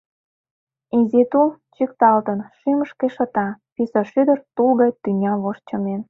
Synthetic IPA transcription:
izit̪ult͡ɕikt̪ɑlt̪ənʃyməʃkeʃɤ̆t̪ɑpisəʃyd̪ə̆rt̪ulɣɑjt̪yŋʲɑβoʃt͡ɕə̆men

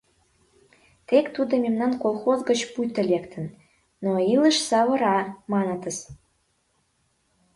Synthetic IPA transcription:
t̪ekt̪ud̪ə̆memnɑnkolˠxozɡə̆t͡ɕpujt̪ə̆lʲekt̪ʰə̆n | noilə̆ʃsɑβɤ̆ɾɑmɑnə̆t̪ə̆s

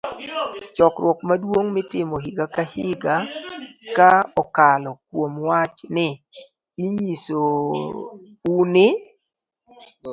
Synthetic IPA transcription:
t͡ʃɔkɾwɔkmadwoŋmɪtɪmoɦiɡakahɪɡakaɔkalɔkwomwat͡ʃnɪ | iɲiso | unɪ

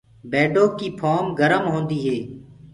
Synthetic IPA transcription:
beːɖoːkiːpʰoːmɡəɾəmɦõːnd̪iːɦeː

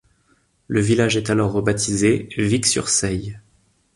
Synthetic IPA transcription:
ləvilaʒɛt̪alɔʁːəbat̪ʰizeviksy̰ʁsɛj

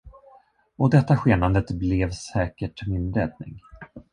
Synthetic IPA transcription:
ɔd̪ɛt̪ːaɧeːnand̪ət̪blɛvsɛːkəʈmɪnɾɛːd̪̚nɪ̰ŋ

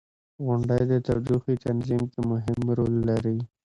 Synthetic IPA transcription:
ɣʊɳɖəjd̪ət̪awd̪uxit̪anzimkemʊɦɪmɾolːaɾi

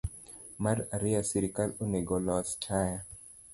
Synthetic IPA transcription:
maɾaɾiasiɾikaloneɡɔlɔstʰaja

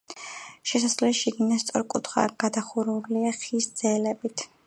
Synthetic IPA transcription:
ʃɛs̬aslɛʃiɡinast̪sʼɔɾkʼṵt̪ʰχa̰ɡ̥ad̪aχuɾuliaχisd̪zɛlɛbit̪ʰ

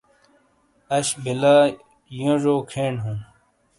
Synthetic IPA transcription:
ɐɕbilaː | jõʐoːkʰeːɳɦũː

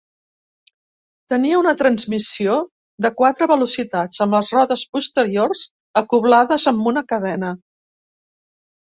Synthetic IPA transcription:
t̪əniəunət̪ɾənzmisio | ðəkwat̪ɾəβəlusit̪ad͡zəmləzrɔðəspust̪əɾiorz | əkuβlaðəzəmbunəkəðɛnə

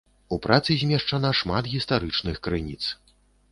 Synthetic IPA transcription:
upɾʔat̪sɨzʲmʲɛʂt͡ʂanaʂmat̪ɣʲist̪aɾɨt͡ʂnɨxkɾɨnʲit̪s

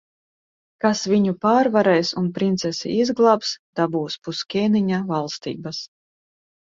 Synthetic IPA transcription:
kasvʲiɲupaːɾvaɾɛjsunpɾint̪sɛsḭizɡlˠaːpsd̪̥abuːspuskʲɛːniɲavalˠst̪ḭːbas

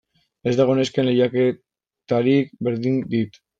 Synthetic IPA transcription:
ezðaɣoneskeneʎake | t̪aɾikbeɾðind̪it̪

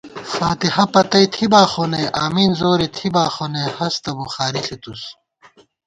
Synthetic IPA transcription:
faːt̪ihɐpɐt̪ɐjt̪ʰibaːxonejʔaːmiːnzoːɾit̪ʰibaːxonehɐst̪ɐboxaːɾiɬʰit̪us

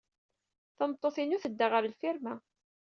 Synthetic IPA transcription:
θɑmət̪ˤːoθinuθəd̪ːaʁəɾəlfiɾmæ

